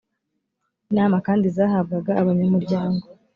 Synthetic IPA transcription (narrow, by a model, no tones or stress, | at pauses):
inaːmakaːndizaːɦab̚ɡaɡaːβaɲamuɾɟaːŋɡo